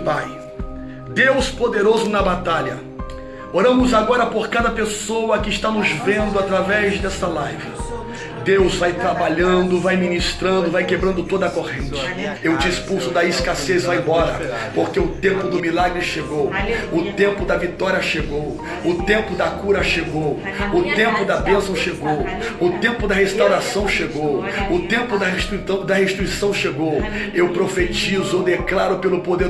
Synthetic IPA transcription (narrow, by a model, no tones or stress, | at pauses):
paj | d̪ewspod̪eɾozʊnɐbat̪aʎɐ̰ | oɾɐ̃mʊzaɡɔɾɐpoɾkad̪ɐpesowɐkɪst̪anʊzvẽnd̪ʊat̪ɾavɛzd̪ɛsɐlajvɐ | d̪ewzvajt̪ɾabaʎɐ̃d̪ʊvajminist̪ɾɐ̃nd̪ʊvajkebɾɐ̃nd̪ʊt̪od̪ɐkoʁẽnt͡ʃɪ̥ewt͡ʃɪispulsʊd̪ɐɪskasezvaẽbɔɾɐ̰ | poɾkeʊt̪ẽmpʊd̪ʊmilaɡɾɪʃeɡowʊt̪ẽmpʊd̪ɐvit̪ɔɾiɐʃeɡow | ʊt̪ẽmpʊd̪ɐkuɾɐʃeɡow | ʊt̪ẽmpʊd̪ɐbẽsɐ̃w̃ʃeɡow | ʊt̪ẽmpʊd̪ɐɦest̪awɾasɐ̃w̃ʃeɡowʊt̪ẽmpʊd̪ɐheʃi̥t̪isɐ̃w̃d̪ɐɦeʃit̪ɾuisɐ̃w̃ʃeɡow | ewpɾofet͡ʃizʊod̪eklaɾʊpelʊpod̪eɾ